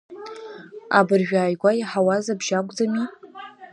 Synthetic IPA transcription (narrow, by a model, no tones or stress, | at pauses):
a̰bɨrʒᶣaːjɡʷajiħawazabʒakʷʼd͡zami